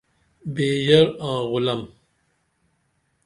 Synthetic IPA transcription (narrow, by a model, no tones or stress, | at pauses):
beːʑɐɾãːɣʊlɐm